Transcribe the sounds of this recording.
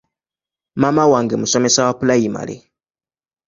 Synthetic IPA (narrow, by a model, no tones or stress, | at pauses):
mamawaŋɡemusɔmɛsawapulajima̰lḛ